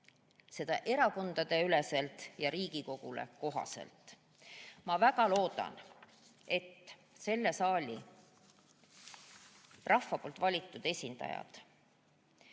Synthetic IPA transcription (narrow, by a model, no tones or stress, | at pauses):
se̞d̪̥ɑ̰ʔe̞ɾɑko̞nd̪̥ɑd̪̥e̞yle̞se̞lt̪jɑɾiːɡ̥iko̞ɡ̥ulḛko̞ɦɑ̰se̞̰lt̪ˑ | mɑvæɡ̥ɑlo̞ːd̪̥ɑ̰n | e̞t̪ː | se̞lːe̞sɑːlʲḭ | rʔɑhfːɑpo̞ːlt̪ˑvɑlʲit̪ːˑud̪̥e̞sʲind̪̥ɑ̰jɑ̰d̪̥